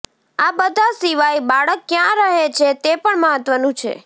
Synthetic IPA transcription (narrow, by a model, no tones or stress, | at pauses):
abəd̪ʱasiʋaibaɭəkːjãɾəɦet͡ʃʰet̪epəɳməɦət̪ʋənũt͡ʃʰḛ